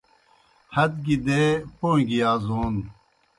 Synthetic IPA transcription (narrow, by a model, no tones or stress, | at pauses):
hɐd̪̚ɡid̪epõːŋɡiaːzoːn